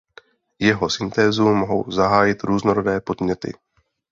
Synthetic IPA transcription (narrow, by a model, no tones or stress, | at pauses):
jɛɦo̞sɪnt̪ɛːzumoɦo̞̰wzaɦaːjɪt̪ɾuːznoɾodɛːpo̞d̪mɲɛt̪ɪ̰